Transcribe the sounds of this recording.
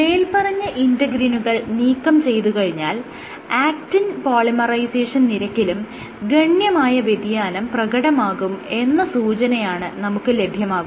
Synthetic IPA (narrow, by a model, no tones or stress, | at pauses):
meːlpɐrɐɲːɐʔindɐɡɾinuɣɐɭniːkːɐmt͡ɕe̞jt̪ukɐɻiɲːaːl | aːktinpoːlimɐrɐjseːʂɐnniɾɐkʲːilum | ɡɐɳjɐmaːjɐʋed̪jaːnɐmprɐɣɐɽɐmaːɣume̞nːɐsuːt͡ɕɐnɐjaːɳɨnɐmukːɨle̞bʱjɐmaːɣum